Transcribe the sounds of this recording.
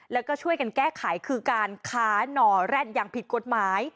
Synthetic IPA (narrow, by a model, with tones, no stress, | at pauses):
lɛː˦˥wkɔː˥˩t͡ɕʰu˥˩əjka˧nkɛː˥˩kʰa˩˦jkʰɯː˧kaː˧nkʰaː˦˥nɔː˧˩ɾɛː˥˩n̚jaː˨˩ŋpʰi˨˩t̪̚ko˨˩t̪̚maː˦j